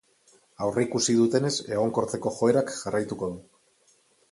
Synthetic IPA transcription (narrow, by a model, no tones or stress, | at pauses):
awreikusið̞ut̪e̞ne̞se̞ɣ̞o̞ŋko̞ɾt̪e̞ko̞xo̞e̞ɾakʝarajt̪uko̞ðu